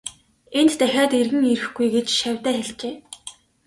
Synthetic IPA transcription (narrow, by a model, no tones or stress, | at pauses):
ent̪t̪æxʲaːrt̪erɣɘ̆ŋeɾɘ̆xɡujɡet͡ɕʃæwʲt̪æːxeɮt͡ɕeː